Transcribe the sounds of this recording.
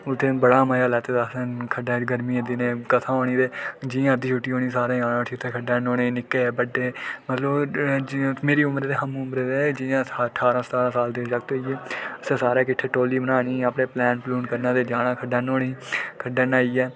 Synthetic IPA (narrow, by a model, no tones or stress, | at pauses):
ʊt̪ʰːeːbəɽaːməːjaːlɛːt̪eːd̪əsẽkʰəɖaːɡəɾmiːəd̪iːnẽːkət̪ʰãːoːñiːt̪eːd͡ʒɪãːd̪iːt͡ʃʰʊʈːiːɦoːñiːsaːɾẽːaːnãːʈʰit̪ʰeːkʰəɖɛːnoːneːnɪkːeːbəɖeːmət̪ləb | meːɾiːʊmɾeːt̪eɦəmʊmɾeːd̪eːd͡ʒɪãːəʈʰaːɾãːsə̥t̪aːɾãːsaːld̪eːd͡ʒək̚t̪oiːeːəsẽːsaːɾeːkɪʈʰːeːʈoːliːbənaːniːəpnẽːplɛːnpluːnkəɾnãːt̪eːd͡ʒaːnãːkʰəɖɛːnoːneːkʰəɖɛːnaːiːɛː